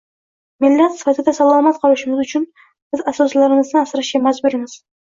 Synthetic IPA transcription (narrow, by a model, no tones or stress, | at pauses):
mɪlːat̪sɪ̥fat̪ʰɪd̪asalˠɑmat̪qʰɑlˠɪʃɪmɪzʊt͡ʃʰʊn | b̥ɪzasɒslaɾɪŋɨznɪasɾaʃʲamad͡ʒbʊɾɪŋɪz̥